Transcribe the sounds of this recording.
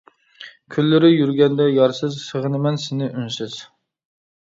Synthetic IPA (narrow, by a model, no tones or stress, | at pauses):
kʲʰylːɪɾɪjyɾɡʲɛnd̪ɛjɑɾsɨzsəʁənɪmɛnsɪnɪʔynsɪz̥